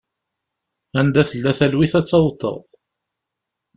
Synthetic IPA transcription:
ænd̪æθəlːæθælwiθæt͡sːɑwt̪ˤːə̰ʁˤ

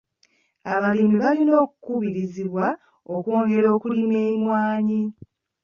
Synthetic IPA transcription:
aβalimiβalino̞ːku̥kuβiɾiziβwa | okwo̞ːŋɡe̞ɾo̞ːkulimeːmwaːɲi

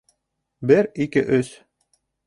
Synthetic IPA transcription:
bɘɾikɘʔɵs

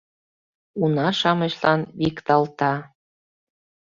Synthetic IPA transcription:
unɑʃɑmɤʃlɑnβikt̪ɑlt̪ɑ

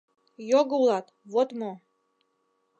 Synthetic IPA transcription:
joɡulˠɑt̪βot̪mo

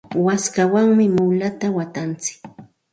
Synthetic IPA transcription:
waskawaŋmɪmʊlat̪awat̪ant͡sɪ̥k

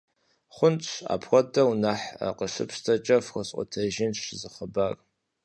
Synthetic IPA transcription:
χʷʊnt͡sʷʰa̰pʰxʷɔtʰʼɐwnaħa̰qəʂɨ̰pʰstʰɐt͡ʃʼɐfxʷəɕʼʷɔ̰tʰɐʒɪnʃzɨχəbar

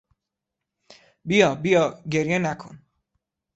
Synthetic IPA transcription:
bijɒːbijɒːɡeɾjenækʰon

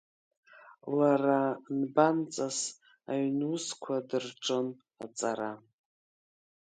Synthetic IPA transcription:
laranbant͡sʼas | aɥnuskʷʰadɨrʈ͡ʂʼɨn | a̰t͡sʼaɾa

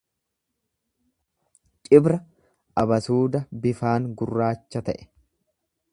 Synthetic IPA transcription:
t͡ʃʼɪbɾɐ | ʔɐbɐsuːd̪ɐbɪfaːŋɡʊrːaːt͡ʃːɐt̪ɐʔɛ̥

